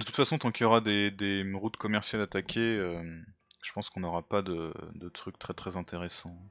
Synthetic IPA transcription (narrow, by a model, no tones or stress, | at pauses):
d̪ət̪u̥t̪fasɔ̃t̪ɑ̃kʲiljɔʁad̪ed̪eʁut̪kɔmɛʁsjalat̪akʲʰeømʒ̥ə̥pɑ̃skɔ̃nɔʁapad̪əd̪ət̪χyk̚t̪χɛt̪χɛzɛ̃t̪ʰeʁesɑ̃